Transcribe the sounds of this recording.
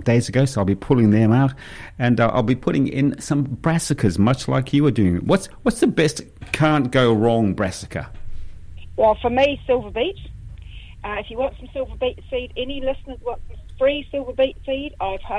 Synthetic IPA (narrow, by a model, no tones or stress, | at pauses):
d̥eɪzəɡoʊsoʊaɪbipʰʊlˠɪ̃ŋðə̃maʊt | ɨ̃nʔa̰ɪlˠbipʰʊɾɪ̃ŋɪ̰̃nsʌ̃mbɹæsɨkʰəzmʌt͡ʃla̰ɪkʰjɨwə˞dʉɪ̃ŋwʌtswʌtsðəbɛst | kʰɑ̃ˑnɡ̥oʊɹɔ̃ŋbɹæsɪ̥kʰə̰ | wɛlˠfəmisɪlˠvəbiˑt | ʔʌɪfjəwʌ̃ntfə̃msɪlˠvəbiˑtsiːdɛnilɪsnəzwʌ̃ntsə̃mfɹiːsɪlˠvəbiˑtsiːdaɪv̥ə